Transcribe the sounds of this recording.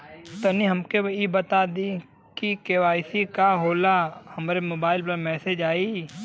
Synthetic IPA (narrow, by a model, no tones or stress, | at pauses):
t̪ɐnĩɦɐmkeibət̪ad̪i | kikeʋaːɪsikaɦoːlahɐmɾemoːbaːɪlpɐɾmɛːsed͡ʒaːi